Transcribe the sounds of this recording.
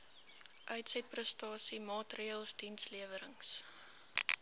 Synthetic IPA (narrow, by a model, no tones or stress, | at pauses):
ʔœɥtsɛt̚prəstɑːsimɑːtriəlˠsd̥insliəvəɾəŋs